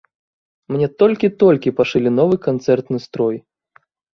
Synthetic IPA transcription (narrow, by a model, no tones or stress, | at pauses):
mnʲɛt̪ɔlʲkʲit̪ɔlʲkʲipaʂɨlʲinɔvɨkant̪sɛrt̪nɨst̪ɾɔj